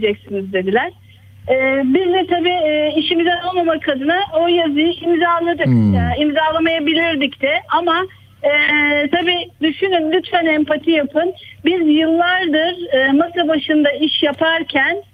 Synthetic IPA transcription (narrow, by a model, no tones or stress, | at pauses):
d͡ʒɛcsinizd̪e̞d̪ilʲæɾ̥ | ɛːbizd̪ɛt̪ʰabiːiʃimizɛolˠmamakʰad̪ɯnaojazɯjɯʔimzaːlˠad̪ɯkːimzalˠamajabilʲiɾd̪icd̪ɛʔama | t̪ʰabiːd̪yʃynymlʲyt̪fænɛmpat̪ʰijapʰɯnbizjɯlˠːaɾd̪ɯɾɯːmasˠabaʃɯnd̪aiʃjapʰaɾcʰæn